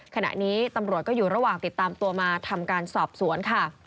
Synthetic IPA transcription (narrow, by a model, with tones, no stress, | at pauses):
kʰa˧na̰˨˩ʔniː˦˥t̪a˧mɾu˨˩ət̪̚kɔː˥˩juː˨˩ɾa˧waː˨˩ŋt̪i˨˩t̪ːaː˧mt̪u˧əmaː˧t̪ʰa˧mkaː˧nsɔː˨˩p̚su˩˦ənkʰa˥˩